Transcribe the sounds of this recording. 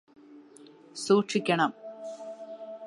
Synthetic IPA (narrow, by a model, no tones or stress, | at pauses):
suːʈʂikʲːɐɳɐm